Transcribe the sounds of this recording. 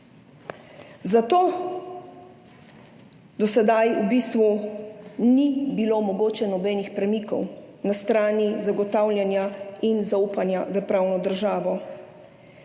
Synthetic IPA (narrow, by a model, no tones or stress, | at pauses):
zat̪oː | d̪ɔsɛd̪ajubist̪ʋu | nibilomɔɡoːt͡ʃɛnɔbɛːnixpɾɛmikɔ̰w | nast̪ɾaːnizaɡɔt̪awljanjainzauːpanjaʋəpɾaːwnɔd̪əɾʒaːʋɔ